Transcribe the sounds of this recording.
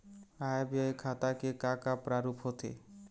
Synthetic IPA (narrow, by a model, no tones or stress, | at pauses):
ajbakʰat̪akekãkapɾaɾupʰɦot̪ʰḛ